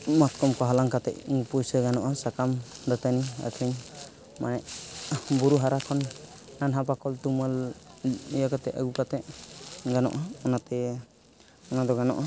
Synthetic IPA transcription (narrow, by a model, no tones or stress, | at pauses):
mat̪̚kɔmkɔɦalaŋkat̪ɛ̰ʔŋɡupujsəɡanɔʔasakamd̪at̪ania̰k̪ʰəɲ | manɛʔ | bɔɾuɦaɾakʰɔnː | anɦap̬akɔlt̪umal | jakat̪ɛʔə̰ɡukat̪ɛʔɡanɔ̰ʔaɔnat̪ɛ | ɔnad̪ɔɡanɔ̰ʔa